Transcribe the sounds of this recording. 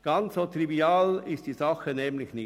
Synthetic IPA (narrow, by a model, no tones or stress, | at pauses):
ɡ̥ɑnt͡ssoːt̪riviɑːlɪst̚d̥iːzɑχənɛːmlɪçnɪ